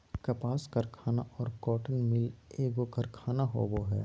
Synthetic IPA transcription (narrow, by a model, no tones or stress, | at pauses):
kɐpaːskɐɾkʰaːnaʔɔːɾkɔːʈənmɪleːɡokɐɾkʰaːnaɦo̰ʋoɦɛ̰ː